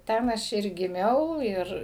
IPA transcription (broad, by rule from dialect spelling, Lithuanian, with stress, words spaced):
ˈtʲɛn ˈɐʃ ɪr ɡʲɪˈmʲɛʊ ˈɪr